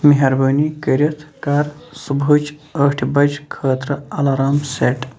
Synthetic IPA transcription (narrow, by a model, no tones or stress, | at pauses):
miɦɐɾbɐːnikəɾʲɐt̪ʰkaːɾsubut͡ʃɐːʈʰbɐd͡ʒkʰəːt̪ɾɐɐlɐɾaːmseːʈ